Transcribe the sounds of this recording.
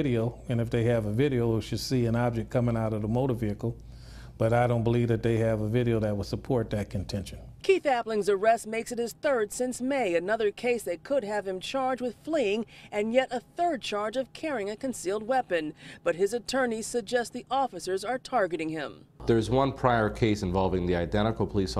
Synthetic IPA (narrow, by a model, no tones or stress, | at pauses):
ɪɾioʊɨ̃nɨfðeɪɨvɨvɪɾioʊwiʃɨd̥siɨ̃nɑb̚d͡ʒɨk̚kʰʌmɪ̃ŋaʊɾʌvðəmoʊɾə˞viɨkl̩ˠ | b̥ʌɾaɪɾõʊ̃nb̥əlivðɨt̪̚ðeɪɨvəvɪɾioʊðɨt̚wəlˠsəpʰɔɹt̪̚ðɨt̚kʰɨ̃ntʰɛ̃nʃɨ̃n̩kʰiθæplɪ̃ŋzə˞ɛst̚meɪksɨt̚hɨz̥θɜ˞dsɪ̃nsmeɪɨnʌðə˞kʰeɪsðeɪkʰʊd̚ɨv̥ɨ̃mt͡ʃʰɑɹd͡ʒwɨð̥fliɪ̃ŋɨ̃njɛɾəθɜ˞d̚t͡ʃʰɑɹd͡ʒʌv̥kʰɛɹɪ̃ŋɨkɨ̃nsilˠd̚wɛpɨ̃nb̥ʌt̚ɦɨzɨtʰɜ̃˞niz̥sɨɡ̚d͡ʒɛst̪̚ðiʔɔfɨsə˞zə˞tʰɑɹɡɨɾɪ̃ŋɪ̃mðə˞ɨzwʌ̃npʰɹ̥aɪə˞kʰeɪsɨ̃ɱvɑlˠvɪ̃ŋðiaɪdɛ̃ɾ̃ɨkl̩ˠpʰəlis